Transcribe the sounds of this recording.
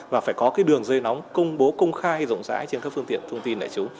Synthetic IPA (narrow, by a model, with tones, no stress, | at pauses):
vaː˨˩faː˧˩jkɔ˨˦kaː˨˦jɗɨ˨˩əŋzəː˧jnɔ˨˦wŋ͡mkə˧wŋ͡mɓo˨˦kə˧wŋ͡mxaː˧jzə̰˧˨wŋ͡mza̰ː˧˥jt͡ɕe˧nkaː˦˥k̚fɨ˧əŋt̪ḭ˧˨ənt̪ʰə˧wŋ͡mt̪i˧nɗa̰ː˧˩t͡ɕʊ˨˦ŋ͡m